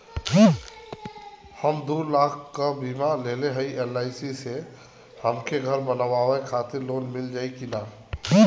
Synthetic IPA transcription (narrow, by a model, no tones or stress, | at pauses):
həmd̪ulaːkʰkabimaleleɦəiʔelaːɪsise | həmkʰeɡʱəɾbənaʋaʋekʰaːt̪ɪɾloːnmɪld͡ʒaːikina